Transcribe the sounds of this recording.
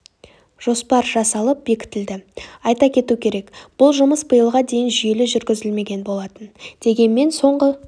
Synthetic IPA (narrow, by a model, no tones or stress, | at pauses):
ʒ̥o̞spɑɾʒɑsɑlˠəp̚be̞kʲɪ̥t̪ɪld̪ɪɑjt̪ɑkʲʰe̞t̪ukʲʰe̞ɾe̞kb̥ʊlˠʒʊməsbəjəlˠʁɑd̪e̞jɪnʒije̞lɪʒʏɾɡʲɪzɪlme̞ɡʲe̞nbo̞lˠɑt̪ənd̪̥e̞ɡʲe̞nme̞nso̞ɴʁə